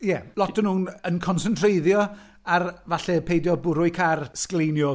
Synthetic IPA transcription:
jɛlˠɔtʰənhuːnənkʰɔnsəntʰrejðjɔ | arvaɬɛpʰejdjɔbʊɾʊɨkʰarsklejnjɔ

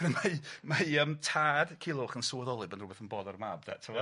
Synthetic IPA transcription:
ɾɛmamajəmtʰaːd̥kʰɪlˠʊχənsoðɔlˠɨbənrʊbɛθənbɔdɔɾəmabda̰tʰəwɔ

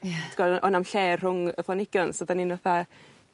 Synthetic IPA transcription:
tɡɔʔɔnamɬɛr̥hʊŋəfɔnɪɡ̥jɔnsɔdaninvɔθa

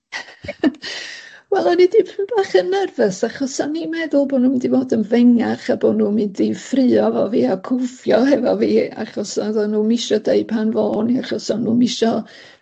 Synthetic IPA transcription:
wɛlˠɔnidipʰbaːχənːɛrvəsaχɔsanimɛðʊlˠboːdnuːmɛndivoːdənvɛŋaχaboːdnuːmɨndifrɨːɔvɔviːakʰʊfjɔhɛvɔviːa̰χɔsaðɔnuːmɪʃɔdeɨpʰanvoːniaχɔsɔnuːmɪʃɔ

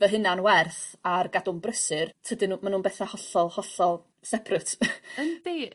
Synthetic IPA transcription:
vɛɦɨnanwɛrθarɡadʊmbrəsɨrtʰədɪnumanuːnbɛθɛhɔɬɔlˠhɔɬɔlˠ | sɛpʰrɨtʰənd̥e

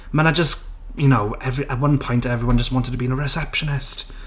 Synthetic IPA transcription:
mə̃ñaɪd͡ʒʌs | jənoʊɛvɹiʔət̚wʌ̃npʰɔ̃ɪ̃ntɛvɹiwʌ̃nd͡ʒʌst̚wɒ̃ntɪd̚tʰəbiɪ̃nəɹɪsɛpʃənɪst

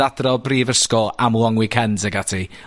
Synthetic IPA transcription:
ad̥rɔbriːvəskɔamlɔŋwɪkʰɛnsɛɡatʰi

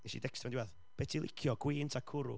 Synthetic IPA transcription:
ɛʃḭdɛkstʰaɛndiwɛð | b̥ɛtʰilˠɪ̰kʰjɔɡ̥wiːntʰakʰʊɾʊ̰

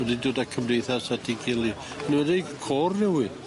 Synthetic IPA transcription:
ɛdidoːdakʰəmdejθasadʰiɡɪlˠi | niwɛdikʰɔːrnɛwɨ

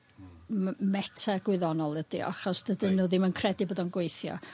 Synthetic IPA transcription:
mɛtʰaɡ̥wɪðɔnɔlˠədḭʔa̰χɔsd̥ədɪnuːðɪmənkʰrɛdiboːdɔnɡwejθjɔ̰

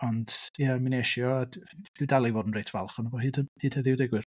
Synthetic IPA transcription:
ɔnd̥jɛmineʃjɔadd̥ɪwdalˠivoːdən̩rejtʰva̰lˠχɔnəvɔhɨːdəhɨːd̥hɛðɪwdɪɡwɪr

